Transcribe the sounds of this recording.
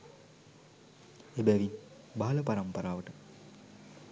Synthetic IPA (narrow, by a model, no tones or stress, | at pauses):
ebæʋin | baɦɐlɐpaɾɐmpɐɾaːʋəʈə